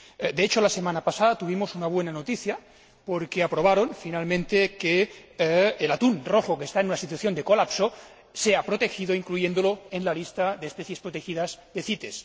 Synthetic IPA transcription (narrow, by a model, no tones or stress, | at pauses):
d̪eet͡ʃolasemanapasaðat̪uβ̞imosunaβwenanot̪iθja | poɾkeapɾoβ̞aɾonfinalmẽnt̪ekeː | lat̪unroxokest̪aenunasit̪waθjond̪ekolapso | seapɾot̪exiðoiŋklujend̪oloenlalist̪aðespeθjespɾot̪exiðazd̪eθit̪es